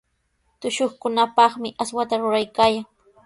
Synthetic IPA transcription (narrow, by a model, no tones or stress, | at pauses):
t̪ʊʃoχkʊnapɑχmɪʔaswat̪aɾʊɾajkaːjaŋ